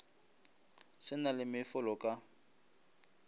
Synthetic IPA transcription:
sɪnalɪmɪfʊlɔkʼa

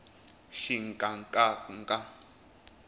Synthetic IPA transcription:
ʃiŋ̩kʼaŋkʼaŋkʼa

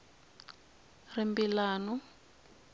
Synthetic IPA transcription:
rimbilaːnɔ

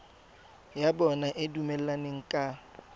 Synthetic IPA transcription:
jabɔnaʔɪdumɛl̩aneŋ̩kʼa

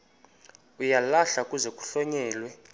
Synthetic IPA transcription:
ujalaɬakʼuzɛkʼu̥ɬɔɲɛːlwɛ

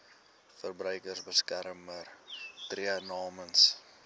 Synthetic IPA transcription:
fərbrœɥkərsbəskæɾmərtriənɑːməns

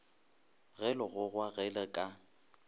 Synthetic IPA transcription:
ɣɛlɔɣʊɣwaɣɛlɛkʼa

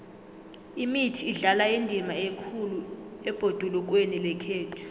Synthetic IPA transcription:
imitʰiːɮalaindʱimaekʰuluɛb̥ʱod̥ʱuluk̬wenilɛkʰeːtʰu̥

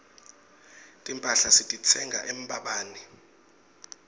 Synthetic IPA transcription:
tʼimpʼaɬasitʼit͡sʰɛŋɡa̰ʔem̩ɓaɓaːni

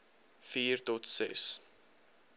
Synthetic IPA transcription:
fiːrtɔtsɛ̰s

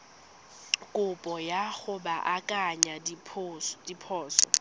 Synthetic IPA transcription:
kʼʊpʼɔjaχʊbaʔakʼaɲadipʰʊsdipʰɔːsɔ̰

